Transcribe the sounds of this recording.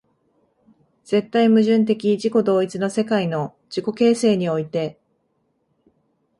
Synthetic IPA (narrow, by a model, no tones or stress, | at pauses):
z̥e̞t̪ːaimɯ̟ʑɨ̃nt̪̬e̞kʲiʑiko̞d̪o̞ːit͡sɨno̞se̞kaino̞ | d͡ʑ̥iko̞ke̞ːse̞ːɲ̟io̞it̪e̞